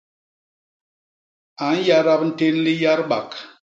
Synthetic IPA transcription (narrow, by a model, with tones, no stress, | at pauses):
a˨n̩˦ja˦ɾɔ˦k̚n̩˦te˦n˦li˦ja˦ɾɓa̰˨k